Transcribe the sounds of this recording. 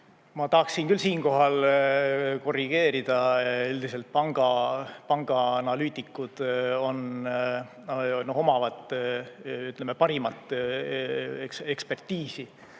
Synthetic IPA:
mɑt̪ɑhɑksinkylsiːnko̞ɦɑl | ko̞riɡ̥e̞ːɾid̪̥ɑeld̪̥ise̞lt̪̚pɑŋɡ̥ɑpɑŋɡ̥ɑɑnɑlyːt̪ˑikːˑud̪̥o̞n | no̞ho̞mɑvɑt̪ːˑ | yt̪ːˑlemepɑɾimɑt̪ːˑ | eksekspe̞rt̪ːiːsi

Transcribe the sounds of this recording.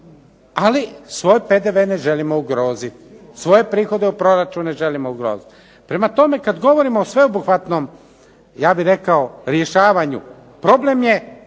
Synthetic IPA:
alisʋo̞ːjped̪e̞ʋeːne̞ʒe̞limo̞uɡɾo̞ːzit̪sʋo̞je̞pɾiːxo̞d̪eupɾo̞ɾat͡ʃuneʒe̞limouɡɾoːzit̪ | pɾe̞mat̪o̞me̞kad̪ɡo̞ʋo̞ɾimoːsʋe̞obuxʋat̪no̞m | jaːbiɾe̞kaoɾje̞ʃaːʋaɲṵ | pɾo̞ble̞mje̞

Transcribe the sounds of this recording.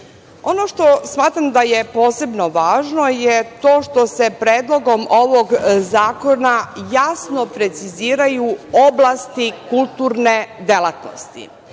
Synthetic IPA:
o̞noʃt̪o̞smaːt̪ɾamd̪ajepo̞ːse̞bno̞ʋaːʒno̞jet̪o̞ːʃt̪o̞sepɾeːd̪lˠo̞ɡo̞moʋoɡzaːko̞najasnopɾe̞t̪siziːɾajuo̞blˠast̪ikulˠt̪uːɾne̞d̪elˠat̪no̰st̪ḭ

